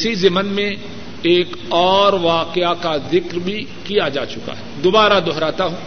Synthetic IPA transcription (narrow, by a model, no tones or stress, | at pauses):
ɪsizɪmənmẽ | eːk | ɔːɾʋaːqɪakazɪkɾbʱi | kijad͡ʒaːt͡ʃʊka̰ɦɛːd̪oːbaːɾad̪ʱɔɦɾaːt̪aɦũː